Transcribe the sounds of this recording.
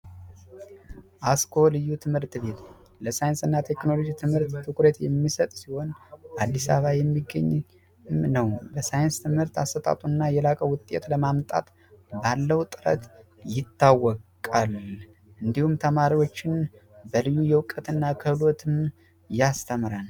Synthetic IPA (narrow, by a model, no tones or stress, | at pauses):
ʔaskʰo̞lɨjːut̪ʰɨmhɨɾt̪be̞t̪ | ləsajɪnsɨnːat̪ʰe̞kno̞lo̞d͡ʒit̪ʰɨmhɨɾt̪ːʰɨkɾət̪jɛmːisət̪ʼsiho̞nad̪ːisa̰βajɛmːiɡːə̰ɲː | nəwbəsajɪnst̪ʰɨmhɨɾt̪ast̪ʰət̪ʼa̰t̪ʼunːajɛlakʼəwʊt̪ʼːḛt̪ləmamt̪ʼa̰t̪ | balːəwt̪ʼɨɾə̰t̪ | jɪt̪ʰːawːɔkʼal | ʔɨnd̪ihumt̪ʰəmaɾiwo̞t͡ʃːɪn | bəlɨjːujɛwkʼːət̪ɨnːakʰəβlo̞t̪ʰɨm | jast̪ʰəmɾan